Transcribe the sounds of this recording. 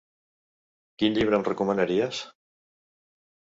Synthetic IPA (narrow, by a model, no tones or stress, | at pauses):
kinʎiβ̞ɾəmrəkumənəɾiəs